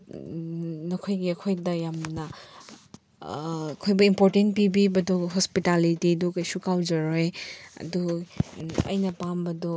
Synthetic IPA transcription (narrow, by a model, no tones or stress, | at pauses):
nɐkʰojɡiɐkʰojdɐjamnɐ | kʰojbɐimpoɾtentpibibɐdɔɦospitalitidukajsukawd͡ʒɐɾojɐ̰du | ɐ̰jnɐpambɐdɔ